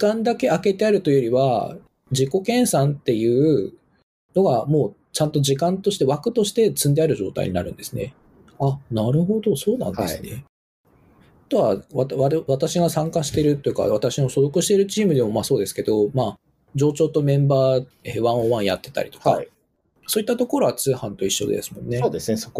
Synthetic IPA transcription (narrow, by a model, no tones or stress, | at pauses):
ikãnd̪ake̞ake̞t̪e̞aɾɯ̟t̪o̞jo̞ɾʲiβa̰ | d͡ʑiko̞kẽ̞ɰ̃sãnt̪e̞jɯ̟ː | no̞ɡamo̞ː | t͡ɕãnt̪o̞ʑikãnt̪o̞ɕi̥t̪e̞βakɯ̟̥t̪o̞ɕi̥t̪e̞t͡sɨ̃nd̪e̞aɾɯ̟ʑo̞ːt̪a̰ḭɲ̟ḭna̰ɾɯ̟̃nd̪e̞sɨne̞̰ | anaɾɯ̟ɦo̞d̪o̞so̞ːnã̰nd̪esne | t̪o̞βaβat̪βaβat̪aɕiɡasãŋkaɕi̥t̪e̞ɾɯ̟t̪ːojɯ̟ka̰βat̪aɕino̞so̞zokɯ̟ɕi̥t̪e̞ɾɯ̟t͡ɕiːmɯ̟d̪e̞mo̞maːso̞ːd̪e̞sɨ̥ke̞d̪o̞maː | d͡ʑo̞ːt͡ɕo̞ːt̪o̞mẽ̞mbaː | eβãɰ̃oβãɰ̃jat̪ːe̞t̪a̰ɾʲi̥t̪o̞̥ka̰i | so̞ːit̪ːat̪o̞ko̞ɾo̞βat͡sɨːhãnt̪o̞iɕːo̞̰d̪ḛsɨ̥mõ̞nːeoːd̪esneo